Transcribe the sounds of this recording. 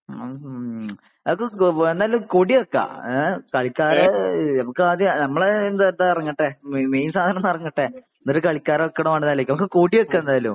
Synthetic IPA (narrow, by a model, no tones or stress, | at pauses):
ɐmkːɨend̪aːjlumkoːɽiokːa̰kɐɭikʲːaːɾɐnɐmukːɨaːd̪jnɐmːɐɭend̪d̪ɨɐrɐŋːɐʈːemmejnsaːd̪ʱɐnɐnːirɐŋːɐʈːe | nːoɾukɐɭikʲːaːɾɐokːɐɽɐmaːɳnːaːlekːɐmukːɨkoːɽiokːɐend̪aːjɐlṵm